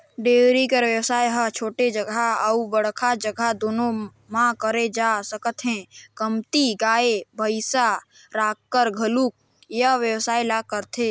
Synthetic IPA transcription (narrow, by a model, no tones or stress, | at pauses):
ɖeɾikəɾʋjəwsaːjɦət͡ʃʰoːʈed͡ʒəɡʱaəubəɽ̤kʰad͡ʒəɡʱad̪oːno | mãkəɾed͡ʒasəkət̪ɦɛ̃kəmt̪iɡaːebʱəɪsa | ɾaːkːəɾɡʱəluk̚ | jəʋjəwsaːilakəɾt̪ʰe